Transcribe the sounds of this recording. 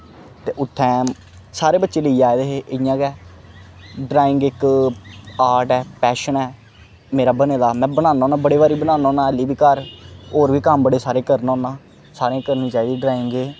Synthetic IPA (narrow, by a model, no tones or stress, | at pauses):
t̪eːʔʊt̪ʰːɛ̃ː | saːɾeːbətːʃeːləiːd͡ʒaːeːd̪eːɦeːʔɪjãːɡɛː | ɖɾaːɪ̃ŋɡɪk | aːɾɖɛːpɛːʃənɛː | meːɾaːbəneːd̪aːmɛ̃ːbənãːnõːnãːbəɽeːʋaːɾiːbənãːnãːnaːɪliːbiːkəɾoːɾʋiːkəmbəɽeːsaːɾeːkəɾnõːnãː | saːɾeãːkəɾnĩːt͡ʃaːiːd̪iːɖɾaːɪŋɡeː